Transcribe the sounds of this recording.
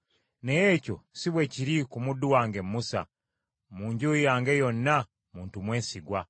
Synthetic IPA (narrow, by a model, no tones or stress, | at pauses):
ne̞jeːco̞̰siβwe̞ciɾikumudːuwaːŋɡe̞mːusa̰ | muːɲɟujaːŋɡe̞jo̞nːa | muːntumwe̞ːnsiɡwa